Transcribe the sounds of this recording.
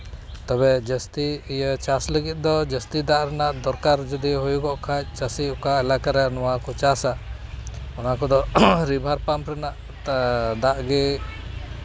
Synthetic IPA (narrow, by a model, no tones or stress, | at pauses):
t̪ɔbɛd͡ʒəst̪iijət͡ʃasləɡit̪̚ˀd̪ɔd͡ʒəst̪id̪aʔɾɛnaʔd̪ɔɾkaɾd͡ʒɔd̪iɦujukɔʔkʰac̚t͡ʃasiɔkaɛlakaɾɛnɔwakɔt͡ʃasa | ɔnakɔd̪ɔɾibʱaɾpampɾɛnaʔ | d̪aʔɡɛ